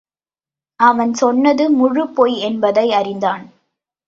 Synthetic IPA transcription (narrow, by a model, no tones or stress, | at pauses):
ʔɐʋɐnsɔnːɐðɯmʊɻɯpːoːjɛnbɐðɐɪɐrɪnd̪aːn